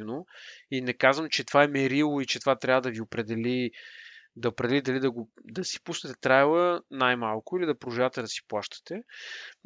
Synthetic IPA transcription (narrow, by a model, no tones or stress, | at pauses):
noinɛkazvəmt͡ʃɛt̪ovaɛmɛɾilˠoit͡ʃɛt̪ovat̪ɾʲavəd̪ɐviopɾɛd̪ɛli | d̪ɐʊpɾɛd̪ɛlid̪ɐlid̪ɐɡod̪ɐsi̥pusnɛt̪ɛt̪ɾajlˠənajmalˠkʊilid̪ɐpɾʊʒavət̪ɛd̪ɐsi̥plˠaʃt̪ə̥t̪ɛ